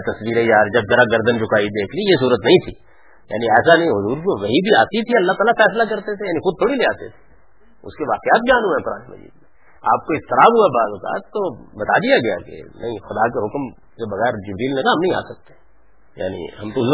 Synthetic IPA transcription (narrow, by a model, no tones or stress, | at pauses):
t̪ɐsʋiːɾɦɛjaːɾd͡ʒɐbzɐɾaɡɐɾd̪ənt͡ʃʰʊkaːid̪eːkʰlijes̬uːɾət̪nɐɦĩt̪ʰi | ja̰ːniɛːsanɐɦĩɦʊzuːɾk̪oʋɐɦibʱiaːt̪it̪ʰiɐlːaɦt̪aːlafɛːslakɐɾt̪et̪ʰejaːnixʊd̪̚t̪ʰoːɽileːaːt̪et̪ʰe̥ | ʊ̰skeʋaːqjaːt̪̚bjaːnũɦɛ̃kʊɾaːnemɐ̰zḭːd̪me | a̰ːp̚koɪst̪ɪɾaːbɦuabaːzʊka̰ːt̪ːobɐt̪ad̪ijaɡɐja̰kḛnɐɦĩxʊd̪ak̬eɦʊkm | sebɐɣɛːɾd͡ʒɪbɾiːlnɪkaɦɐmnɐɦĩa̰ːsɐk̚t̪ẽ | ja̰ːnḭɦɐmt̪oz